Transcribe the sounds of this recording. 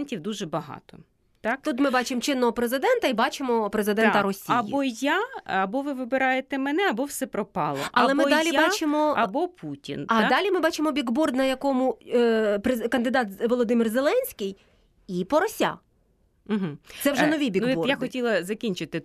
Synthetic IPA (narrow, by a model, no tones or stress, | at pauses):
nʲtʲiwd̪uʒɛbɐɦɑ̰t̪ɔ | t̪ɑkt̪ut̪mɪbɑt͡ʃɪmt͡ʃɪnːɔɦɔpɾezɪd̪ɛnt̪ɐibɑt͡ʃɪmɔpɾezɪd̪ɛnt̪ɐɾɔsʲiɐbːɔjaɐbɔʋɪʋɪbɪɾɑjet̪ɛmɛnɛɐbɔwsɛpɾɔpɑlˠɔʔɐlˠɛmɪd̪ɑlʲibɑt͡ʃɪmɔɐbɔpʰutʲḭnɐd̪ɑlʲimɪbɑt͡ʃɪmɔbʲiɡbɔrd̪nɐjɐkɔmʊ | pɾekɐnd̪ɪd̪ɑt̪ʋɔlˠɔd̪ɪmɪrzelˠɛnʲsʲkʲɪj | ipɔɾɔsʲa̰ | m̩ɦ̩̪sɛwʒɛnɔʋʲijbʲinɡʲibɔjaxɔtʲilˠɐzɐkʲinʲt͡ʃɪt̪ɪ